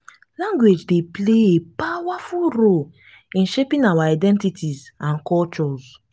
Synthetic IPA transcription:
lãŋɡwed͡ʒdepleepawafulɾol | ĩnʃepĩnawaadɛ̃ntitʰizãnkɔlt͡ʃɔz

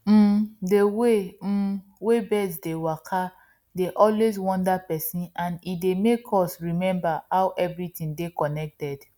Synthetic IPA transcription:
m̩dewem̩ | webɛdsdewakʰa | deʔɔlwezwɔ̃ndapɛsĩnãnidemekʰɔsɹimɛ̃mbahawʔɛvɹitĩŋdekɔnɛk̚tɛd̥

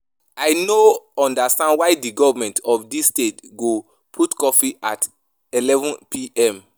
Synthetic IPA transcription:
ajnoɔ̃ndastãndwajdiɡɔvmɛ̃ntɔfdisːtetɡo | pʰutkɔfiʔa̰t | ilɛvɔ̃npʰiʔɛ̃m

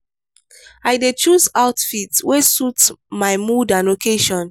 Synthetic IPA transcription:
ajdet͡ʃuzaʊtfitwesutmaɪmudãnokʰeʃɔ̃n

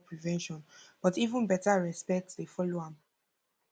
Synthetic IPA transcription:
pʰɹivɛ̃nʃɔ̃nb̥ɔtivũnbɛtaɹɛspɛk̚tdefɔloãm

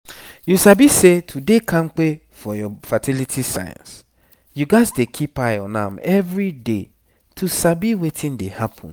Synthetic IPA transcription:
jusabisetʰudekʰãŋ̩k͡pe | fɔjɔfatʰilitʰisa̰jã̰ns | juɡaɪzdekʰipajɔnã̰mɛvɹide | tʰusabiwetʰĩndehapʰɔ̰̃n

